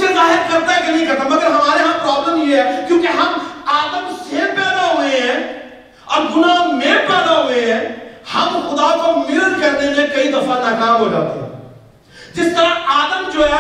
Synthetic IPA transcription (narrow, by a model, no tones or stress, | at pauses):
sezaːɦeɾkɐɾt̪aɛkenɦĩkɐɾt̪ãmɐɡəɾɦɐmaːɾeɦãpɾaːbləmjeɦɛkjõːkiɦɐmaːd̪əmsepɛːd̪aɦueɦɛ̃ | ɔːɾɡʊnamẽpɛːd̪aɦueɦɛ̃hɐmxʊd̪akomɪɾəd̪̚kɐɾnemẽkɐid̪ɐfãnaːkaːmɦod͡ʒa̰ːt̪ḛɦɛ̰̃ | d͡ʒɪst̪əɾãaːd̪əmd͡ʒoːɦɛ